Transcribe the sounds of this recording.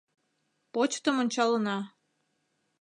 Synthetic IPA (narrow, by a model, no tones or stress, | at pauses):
pot͡ɕt̪əmonʲt͡ɕɑlənɑ